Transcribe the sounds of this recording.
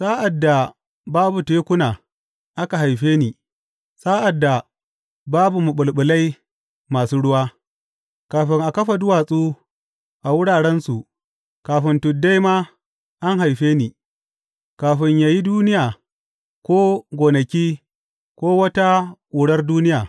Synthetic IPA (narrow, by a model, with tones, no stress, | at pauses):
saː˦ʔa˨dːa˨ | baː˦bu˨teː˦kʷʊ˦naː˨ | ʔa˦ka˨ɦa˨jɸeː˦niː˨ | saː˦ʔa˨dːa˨ | baː˦bu˨mu˨ɓʊ˨lɓʊ˨la˦j | maː˨suː˦ɽʊ˦waː˦ | kaː˨ɸɪ˦ŋʔa˨kɐ˦ɸa˨dʊ˦waː˨sʼuː˦ | ʔa˨wʊ˦ɽaː˨ɽɛ˦nsu˨ʔ | kaː˨ɸɪ˦ntʊ˨dːa˦jma˦ | ʔa˦ŋɦa˨jɸeː˦niː˨ | kaː˨ɸɪ˦ɲjaː˨ji˦duː˦nɪ˦jaː˨ | kʷoː˦ɡʷoː˨nɐ˨kʲiː˦ | kʷoː˦wɐ˦ta˦kʷʼuː˨ɽɐ˦rduː˦nɪ˦jaː˨